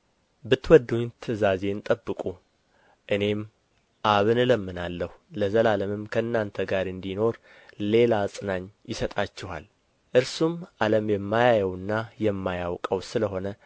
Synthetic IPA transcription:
bɨt̪wɔd̪ːuɲt̪ʰɨzaze̞ɨnt̪ʼəbːɨkʼu | ʔɨne̞m | ʔaβɨnləmːɨnalːəhuləzəlaləmɨmkʰəɨnːant̪ʰəɡaɾɨnd̪ino̞ɾ | le̞lasʼɨnaɲjɪsət̪ʼat͡ʃːɛha̰l | ʔɨɾsumʔaləmjɛmːajajɛwɨnːajɛmːajawkʼəwsɨləɦo̞nə

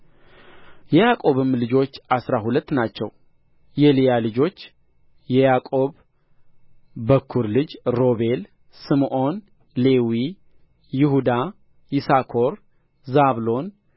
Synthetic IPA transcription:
jɛjakʼo̞βɨmlɨd͡ʒo̞t͡ʃːasɾaɦulət̪ːnat͡ʃːɛw | jɛlijalɨd͡ʒo̞t͡ʃː | jɛjakʼo̞β | əkʰːuɾlɨd͡ʒɾo̞βe̞l | sɨmʔo̞n | le̞wi | jɪhud̪a | jɪsakʰo̞ɾ | zaβlo̞n

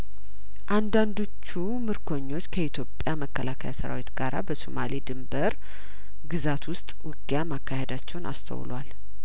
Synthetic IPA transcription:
ʔand̪and̪o̞t͡ʃːu | mɨɾkʰo̞ɲːo̞t͡ʃːkʰəit̪ʰjo̞pʼːjaməkːəlakʰəjasəɾa̰wit̪ɡaɾʔa̰bəso̰malid̪ɨmbəɾ | ɡɨzat̪wʊst̪ʼwɨɡjamakʰːahed̪at͡ʃːɛwna̰st̪ʰə̰w̰lwal

